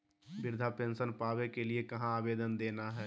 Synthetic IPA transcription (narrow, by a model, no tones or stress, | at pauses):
bɪɾd̪ʱapẽːnsənpaːʋekeliekɐɦãaːbeːd̪ənd̪eːnaɦɛː